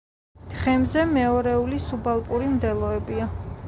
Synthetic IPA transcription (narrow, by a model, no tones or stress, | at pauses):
d̪̥χɛmzɛmɛɔɾɛulisubalˠpʼuɾimd̪ɛlˠɔɛbia